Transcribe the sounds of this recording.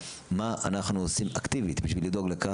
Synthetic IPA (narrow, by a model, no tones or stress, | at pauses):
maanaχnuosimakt̪ivit̪biʃvilid̪o̞ɡleka